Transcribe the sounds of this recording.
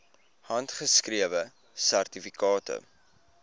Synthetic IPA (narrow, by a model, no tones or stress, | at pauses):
hɐntχəskɾiəvə | særtifikɑːtə̰